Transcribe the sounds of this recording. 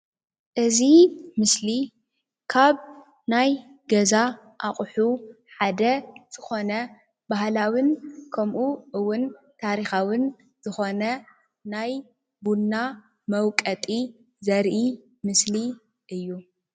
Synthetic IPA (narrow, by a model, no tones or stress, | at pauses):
ʔɨzimɨsli | kʰaβ | najɡɐza | ʔaχʼħu | ħad̪ɐz̥ɨxo̞nɐ | bahlawɨnkʰɐmʔuʔɨwːʊn | t̪ʰaɾixawɨn | z̥ɨxo̞nɐ | naj | bunːa | mɐwkʼɐt̪ʼi | zɐɾʔi | mɨsli | ʔɨjːu